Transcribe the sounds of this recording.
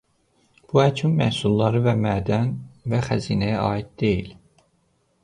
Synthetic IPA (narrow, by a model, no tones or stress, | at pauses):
b̥uæt͡ʃʰynmæ̰hsulˠːɑɾɯvæmæːd̪ænvæχæziːnæjæʔɑːid̪̚d̪e̞jil